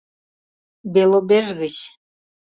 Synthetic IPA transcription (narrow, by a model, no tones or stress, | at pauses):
belˠobeʒɣəɕ